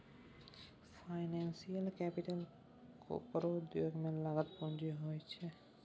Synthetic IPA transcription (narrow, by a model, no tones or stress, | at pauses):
fʰajnɛnsialkɛpiʈal | kʰo̰pɾod̪joɡmelaɡat̪pɔnd͡ʒiɦojt͡ʃʰe